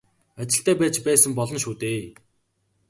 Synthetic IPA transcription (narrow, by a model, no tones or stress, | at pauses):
at͡ɕɪ̆ɬt̪æːpæːt͡ɕpæːsə̆mpɔɮɞ̆nʃuːt̪eː